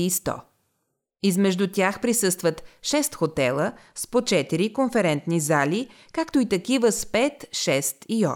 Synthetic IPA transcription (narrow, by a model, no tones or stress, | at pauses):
st̪ɔ̰ | izmɛʒd̪ut̪ʲjaxpɾisɤst̪vət̪ʃɛst̪xot̪ɛlˠəspot͡ʃɛt̪iɾikonfɛɾɛnt̪nizalʲi | kakt̪oit̪ɐkivəspɛt̪ʃɛst̪iɔ̰